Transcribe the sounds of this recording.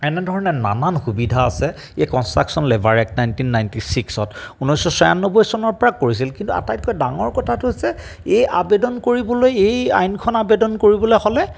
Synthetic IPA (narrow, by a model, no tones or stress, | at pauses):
ɛnɛdʱɔɹɔnɛna̰nanxubidʱaːsɛ | ejkɔnstɹaksɔnlɛbʱaɹɛk̚najntinːajntisiksɔtunɔjsɔsɔja̰nːɔbɔjsɔnɔɹpɔɹakoɹis̬ilkintua̰tajt̚kɔjdaŋɔɹkɔtʰatuɦosɛejabedɔnkoɹibɔlojeja̰jnkʰɔnabedɔnkoɹibɔlojxɔlɛ